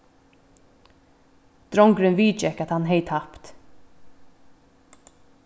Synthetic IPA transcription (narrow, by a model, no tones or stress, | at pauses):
d̪̥ɾɔŋkɾʏnʋiːt͡ʃɛkat̪hɑnɦɛɪt̪ʰapt̪